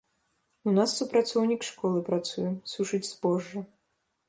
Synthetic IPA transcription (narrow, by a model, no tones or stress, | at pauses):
unasːupɾat̪sɔwnʲikʂkɔlˠɨpɾat̪sujɛsuʂɨd͡zʲzbɔʐːɐ